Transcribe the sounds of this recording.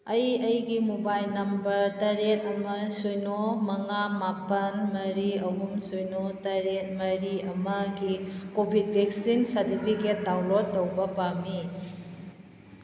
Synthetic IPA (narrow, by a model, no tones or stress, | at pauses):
ɐjɐjɡimubajlnɐmbɐɾtɐɾet̚ɐmɐsujnomɐŋamapɐnmɐɾiɐɦumsujnotɐɾet̚mɐɾiɐmɐɡikobʱid̚bʱek̚sinsɐɾtipʰiket̚dawlotːɐwbɐpami